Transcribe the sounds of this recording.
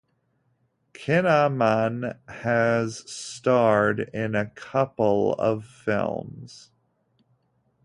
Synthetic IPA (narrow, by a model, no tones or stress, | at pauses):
kʰɪnəmə̃nɨz̥stɑɹɾɪ̃nɨkʰʌpl̩ˠʌ̰v̥fɪ̰lˠmz̥